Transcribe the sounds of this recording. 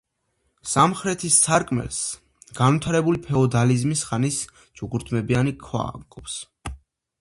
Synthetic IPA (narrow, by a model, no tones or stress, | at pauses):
samχɾɛt̪ʰist̪sʰaɾkʼmɛ̰ls | ɡ̥anvit̪ʰaɾɛbulipʰɛɔd̪alizmisχanis | d͡ʒuɡuɾt̪ʰmɛbianikʰwa̰kʼɔps